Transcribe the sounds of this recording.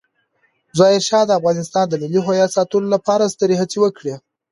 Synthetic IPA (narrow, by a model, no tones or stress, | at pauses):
zɑɪɾʃɑd̪əafɣɑnɪst̪ɑnd̪əmiliɦojɑsɑt̪əlolapɑɾast̪əɾeɦat͡siwəkɽe